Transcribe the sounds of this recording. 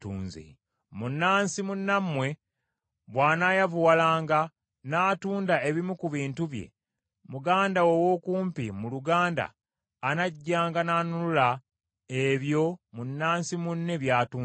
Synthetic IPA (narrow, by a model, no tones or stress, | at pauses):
tuːnzḛ | munːaːnsimunːamːwe̞ | βwaːnajavuwalaːŋɡa | naːtuːndae̞βimukuβiːntuβje̞̰ | muɡaːndawowo̞kuːmpimuluɡaːnda̰ː | naɟːaːŋɡananulula | eβjo̞munːaːnsimunːe̞βjaːtuː